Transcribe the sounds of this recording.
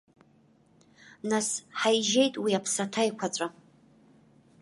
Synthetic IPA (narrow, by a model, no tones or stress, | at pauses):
nasħajʒe̞jtʼwiapʰsatʰajkʷʰat͡sʷʼa